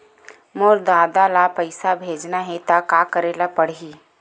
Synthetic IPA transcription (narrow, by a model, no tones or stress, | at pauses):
moːɾd̪aːd̪alapəɪsabʱeːd͡ʒnaɦɛt̪akaːkəɾeːlapəɽ̤iː